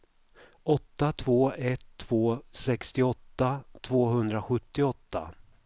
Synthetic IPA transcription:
ɔt̪ːat̪ʰvoːɛt̪ʰːv̥oːsɛkst̪ɪɔt̪ːat̪ʰvoːɦɵnd̪ɾaɧɵt̪ːɪɔt̪ːa̰

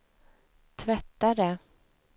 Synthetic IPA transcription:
t̪ʰvɛt̪ːaɾə

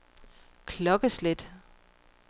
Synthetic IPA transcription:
kʰlɒ̽ɡ̥əsled̥

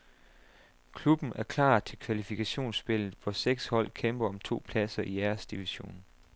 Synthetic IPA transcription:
kʰlub̥n̩æɐkʰlɑ̰̈ːt͡sʰe̝lkʰʋælifikʰæɕo̝̰ːnsb̥e̝l̰ð̩ˠʋɒseɡ̥shɒ̽l̰kʰemb̥ɐɒ̽mt͡sʰo̝̰ːpʰlæsɐʔiæɐsd̥iʋiɕo̝̰ːn

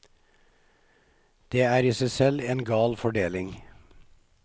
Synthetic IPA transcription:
d̪̥eːæːɾiːsæɪsɛleːnɡɑːlfɔɖeːlɪŋ

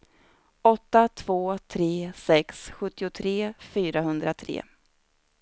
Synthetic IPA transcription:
ɔt̪ːat̪ʰv̥oːt̪ʰɾeːsɛksɧɵt̪ːɪʊt̪ʰɾeːfyːɾahɵnd̪ɾat̪ʰɾḛː

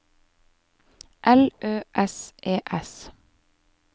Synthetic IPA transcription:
ʔɛlʔøːʔɛsʔeːʔɛs

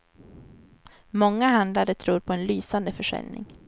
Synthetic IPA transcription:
mɔŋːaɦand̪laɾət̪ʰɾuːɾpʰɔɛnlyːsand̪əfœʂɛ̰lnɪ̰ŋ

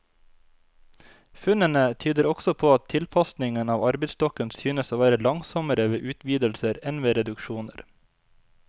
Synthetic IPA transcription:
fʉnənət̪ʰyːd̪əɾɔksɔpʰoːɑt̪ʰɪlpʰɑsnɪŋənɑːʋɑɾbəsd̪ɔkənsyːnəsoːʋæːɾəlɑŋsɔməɾəʋeːʔʉːt̪ʰʋiːd̪əlsəɾɛnʋeːɾɛd̪ʉkʃuːnə̰ɾ

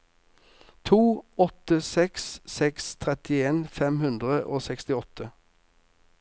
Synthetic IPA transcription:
t̪ʰuːɔt̪əsɛkssɛkst̪ʰʁɛt̪ɪeːnfɛmhʉnd̪ʁəʔoːsɛkst̪ɪɔt̪ʰə

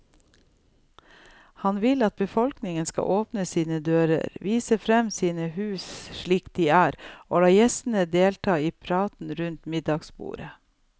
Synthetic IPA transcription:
hɑnʋɪlɑt̪̚bəfɔlknɪŋənskɑ̰ʔoːpnəsiːnəd̪øːɾə̰ɾʋiːsəfɾɛmsiːnəhʉːsʃɭiːkd̪iːæːɾo̰ːlɑːjɛst̪n̩əd̪eːlʈʰɑːiːpʰɾɑːt̪n̩ɾʉnt̪mɪd̪ɑɡsbṵːɾə

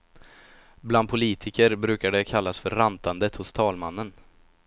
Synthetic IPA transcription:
bland̪pʰʊliːt̪ʰɪkəɾbɾʉ̟ːkaɖ̪əkʰalːasfœɾːant̪and̪ət̪hʊst̪ʰɑːlmanːən

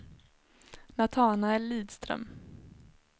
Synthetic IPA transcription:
nat̪ʰɑːnaɛlːiːd̪st̪ɾœ̰m

